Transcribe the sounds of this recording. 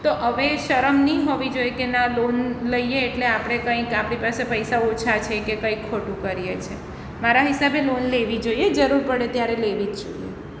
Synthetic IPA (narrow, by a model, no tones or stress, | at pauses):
t̪oʔəʋeʃəɾəmnĩɦoʋid͡ʒojekenãlonləijeːʈleapɽ̃ekə̃ĩkapɽipasepəjsaot͡ʃʰat͡ʃʰekekə̃ĩkʰːoʈũkəɾijet͡ʃʰe | maɾaɦisabelonleʋid͡ʒoied͡ʒəɾuɾpəɽet̪jaɾeleʋid͡ʒd͡ʒo̰ijḛ